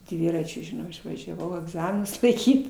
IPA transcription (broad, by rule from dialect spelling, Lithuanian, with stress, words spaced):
ˈdʲʋʲɪrɐt͡ʃʲʊ ʒʲɪˈnɐʊ ɪʃʋɐʒʲɛˈʋɐʊ ɐɡˈzɑːmʲɪnʊs lˠɐɪˈkʲiːt